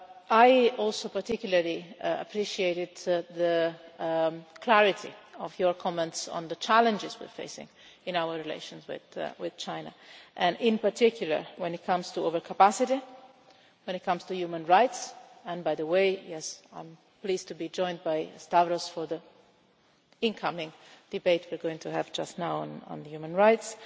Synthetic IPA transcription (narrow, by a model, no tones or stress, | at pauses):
ajɔlsopaɾt̪ikjuləɹlia̰pʰɾiʃieɪɾɪd̪ðə | kʰlæɹɪt̪ʰḭɔvjɔɹkʰɔmɛ̃ntsɔ̰̃nd̪ət͡ʃælə̃nd͡ʒɪzwḭɹfḛɪsɪ̰̃ŋɪ̃nawəɹɹːilḛɪʃɔ̃nswɪ̰ðwɪð̥t͡ʃãɪna̰ʔɛ̃nɪ̃npaɾt̪ʰikʰjulə̰ɹwɛ̃nɪt̚kʰʌ̃mstuovəɹkʰapasɪɾi | wɛ̃nɨt̚kʰʌ̃mstujumə̃nɹaɪtsɛ̃nbajðəweɪjɛsã̰ɪ̃m | pliːztubid͡ʒɔ̃ɪj̃nd̚bajstavɾɔsfɔɹðə | ɪ̃nkʰʌmɪ̃ŋd̥ɨbeɪt̚ʰwiɹɡoɪ̃ŋtʰuævd͡ʒʌstnawə̰̃nə̰̃nðəjumə̃nɹaɪts